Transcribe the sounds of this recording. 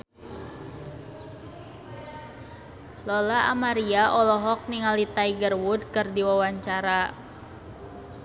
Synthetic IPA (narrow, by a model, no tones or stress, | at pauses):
lɔlaʔa̰maɾiaʔɔlɔɦɔk̚niŋaldit̪aiɡərwudkɨrdiwawaɲt͡ʃaɾa